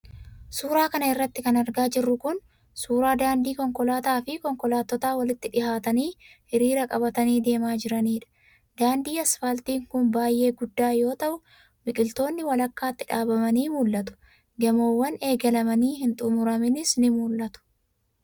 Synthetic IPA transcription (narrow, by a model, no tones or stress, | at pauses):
suːɾaːkɐnɐɪrːɐt̪ːɪkɐnɐɾɡaːd͡ʒɪrːʊkʊn | suːɾaːd̪aːnd̪iːkɔŋkɔlaːt̪aːfɪkɔŋkɔlaːt̪ːɔt̪aːwɐlɪt̪ːɪᶑɪhaːt̪ɐniːhɪɾiːɾɐkʼɐbɐt̪ɐniːd̪e̞ːmaːd͡ʒɪɾɐniːᶑɐ̥ | d̪̥aːnd̪iːɐsfɐlt̪iːŋkʊnbaːjʔːe̞ːɡʊd̪ːaːjo̞ːt̪ɐʔʊ | mɪkʼɪlt̪o̞ːnːɪwɐlɐkːaːt̪ːɪᶑaːbɐmɐniːmuːlːɐt̪ʊ̥ | ɡɐmoːwːɐne̞ːɡɐlɐmɐniːhɪnt̪ʼʊmʊɾɐmɪnɪsnɪmuːlʔːɐt̪ʊ̥